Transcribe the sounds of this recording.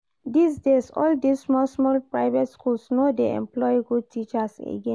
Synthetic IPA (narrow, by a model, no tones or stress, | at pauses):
disdesɔ̰ldissːmɔlsmɔlpɹaɪvɛtskulsnodeɛ̰̃mplɔjiɡud̚tʰit͡ʃasḛɡɛ̃